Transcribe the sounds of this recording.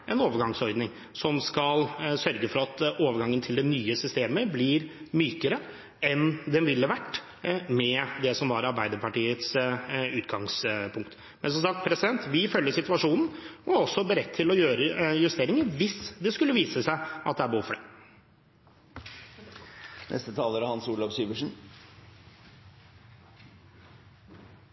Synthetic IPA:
ʔɛnoːʋəɾɡɑŋsɔɾd̪nɪŋ | sɔmskɑlsœɾɡəfɔɾɑt̪oːʋəɾɡɑŋːənt̪ʰɪld̪ɛnyːəsʏst̪eːməblɪɾmyːkəɾə | ɛnd̪ɛnʋɪlːəʋæʈː | mɛd̪ɛsɔmʋɑɾɑɾbæɪd̪əɾpɑʈiːət̪sʉːt̪ɡɑŋspʰʊŋk̚t̪ | mɛ̰nsɔmsɑk̚t̪̚pʰɾɛsɪd̪ɛnt̪ʋɪfœlːəsɪt̪ʉɑʂuːnn̩ɔɔsːɔbəɾɛt̪ʰːɪlɔjøːɾəjʉst̪eːɾɪŋəɾʋɪsd̪ɛskʉlːəʋiːsəsæɪʔɑt̪̚d̪ɛæɾbəhuːfɔɖɛ | nʔɛ̰st̪ət̪ʰɑːləɾəhɑnsuːɭɑʋsyːʋəʂn̩

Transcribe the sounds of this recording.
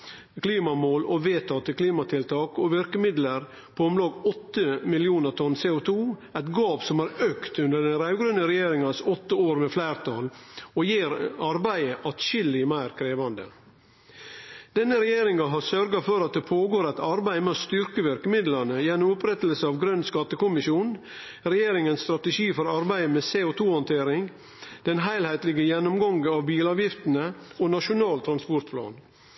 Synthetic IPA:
kʰliːmɑmoːlɔʋeːt̪ʰɑːt̪əkʰliːmɑt̪ʰɪlt̪ʰɑːkɔʋɪɾkəmɪd̪ləɾ | pʰɔɔmlɑːɡɔt̪ːəmɪlɪuːnəɾt̪ʰɔnseːʊt̪ʰuːæɪt̪ɡɑːpsɔmæɾøːkt̪ʉnd̪əɖɛnɾæʉɡɾʉnəɾɛjeːɾɪŋɑsɔt̪ːəoːɾmɛflæːɾt̪ʰɑlɔjeːɾɑɾbæɪəʔɑt̪ʃʏlːɪmæɪɾkʰɾeːʋɑnd̪ə̰ | d̪̥ɛnːəɾɛjeːɾɪŋɑɦɑsœɾɡɑfɔɾɑt̪̚d̪ɛpʰoːɡoːɾæɪt̪ɑɾbæɪmɑst̪ʏɾkəʋæɾkəmɪd̪lɑnəjɛnːʊmʊpɾɛt̪əlsəɑʋɡɾœnskɑt̪ːəkʊmɪʃjuːn | ɾɛjeːɾɪŋənst̪ɾɑt̪əʃiːfɔɾɑɾbæɪəmɛseːʊt̪ʰuːhɔnt̪ʰeːɾɪŋ | d̪̥ɛnɦæɪlhæɪt̪lɪɡəjɛnːʊmɡɑŋɡɑʋbiːlɑːʋjɪft̪ənəonɑʃʊnɑːlt̪ʰɾɑnspɔɾt̪pʰlɑ̰ːn

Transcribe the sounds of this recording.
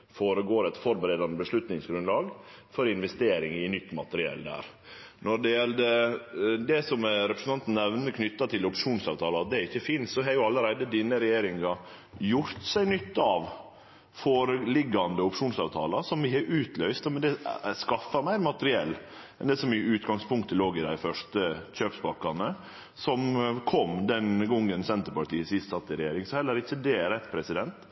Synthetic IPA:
foːɾəɡoːɾɛt̪fɔɾbəɾeːd̪ɑnəbəʂlʉt̪nɪŋsɡɾʉnlɑːɡfɔɾɪnʋɛst̪eːɾɪŋɪnʏt̪ːmɑ̰t̪əɾɪɛ̰ld̪æ̰ːɾ | nɔɖɛjɛld̪ə | d̪ɛsɔmɾɛpʰɾəsn̩t̪ɑnt̪n̩nɛʋnəkʰnʏt̪ːɑt̪ʰɪlʊpʂuːnsɑːʋt̪ʰɑːlɑɑt̪̚d̪ɛæɾɪçːəfiːnsɔɦɑɾjʊɑlːəɾæɪd̪əd̪iːnəɾɛjeːɾɪŋɑ | jʊɾt̪sæɪnʏt̪ːɑʋ | foːɾəlɪɡːɑnd̪əʊpʂuːnsɑːʋt̪ʰɑ̰ːlɑsɔmʋɪhɛʔʉːt̪lœʏst̪mɛnd̪ɛskɑfɑɾmæɪɾmɑt̪əɾɪɛlːɛnd̪ɛsɔmɪʉːt̪ɡɑŋspʰʊŋkt̪ʰːəloːɡɪd̪æ̰ɪfœʂtəçøːpsbɑkːɑnə | sɔmkʰɔmd̪ɛnɡɔŋːənsɛnt̪əɾpɑʈiːəsɪst̪sɑt̪ːɪɾɛjeːɾɪŋsɔhɛlːəɾɪçːəd̪ɛɾɛt̪ːpʰɾɛsɪd̪ɛnt̪

